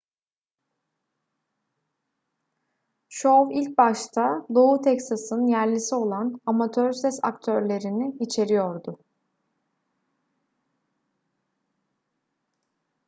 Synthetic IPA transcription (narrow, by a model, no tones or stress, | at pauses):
ʃovilʲc̚baʃt̪ʰad̪o̞ut̪ʰɛcsasɯnjæɾlʲisio̞lˠanamat̪ʰøɾsɛsa̰kt̪ʰøɾlʲe̞ɾinɪit͡ʃʰe̞ɾijo̞ɾd̪ʊ